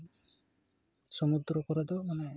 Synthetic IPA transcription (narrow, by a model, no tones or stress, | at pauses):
sɔmud̪ɾɔkɔɾad̪ɔmane